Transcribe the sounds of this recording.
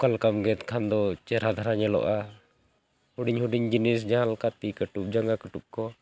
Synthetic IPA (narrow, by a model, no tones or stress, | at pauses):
kalkamɡɛt̪kʰand̪ɔt͡ʃɛɾad̪ʱaɾaɲɛlɔ̰ʔa | huɖiɲhuɖiɲd͡ʒinis̬d͡ʒaalkat̪ikəʈup̚d͡ʒaŋɡakəʈup̚kɔ